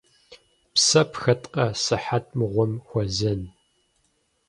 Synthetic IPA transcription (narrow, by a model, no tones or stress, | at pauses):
psɐpxɐtʼqʼɐsɨħat̚ʰʼmɨʁʷɔmxʷɔzɐn